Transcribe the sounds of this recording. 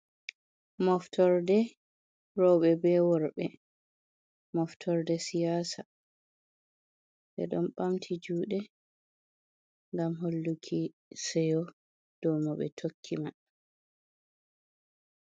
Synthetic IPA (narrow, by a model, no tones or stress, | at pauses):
mɔftʰɔɾdɛ | ɾɔɓɛbɛwɔɾɓɛ | mɔftʰɔɾdɛsijaːsa | ʔɛ̰ɗɔnɓamtʰid͡ʒuːɗɛ | ŋɡamɦolːukʰi | sɛjɔ | d̥ɔmɔɓɛ̰tʰokʰːima